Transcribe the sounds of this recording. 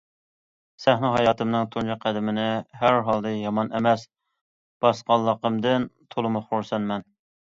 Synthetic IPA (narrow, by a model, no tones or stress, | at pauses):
sæhnɨɦɑjɑːt̪ʰɨmnɨŋt̪ʰond͡ʒʰɑqʰːæd̪ɪmɪnɪɦæɾɦɑlˠd̪ɨjɑmɑnʔemɛs | b̥ɑsqɑlˠːəqəmd̪ɨnt̪ʰolˠɨmʊχoɾsɛnmɛn